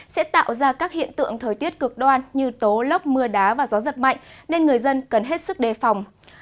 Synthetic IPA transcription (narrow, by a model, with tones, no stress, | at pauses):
sɛ̰˧˥t̪a̰ː˧˨wzaː˧kaː˦˥k̚hḭ˧˨ənt̪ɨ̰˧˨əŋt̪ʰəː˨˩jt̪i˦˥ət̚kɨ˨˩ək̚ɗwaː˧nɲɨ˧t̪o˨˦lə˦˥wk͡p̚mɨ˧əɗaː˨˦vaː˨˩zɔ˨˦zə˨˩t̚ma̰˧˨jŋ̟ne˧nŋɨ˨˩əjzə˧nkə˨˩nɦe˦˥t̚sɨ˦˥k̚ɗe˨˩fa˨˩wŋ͡m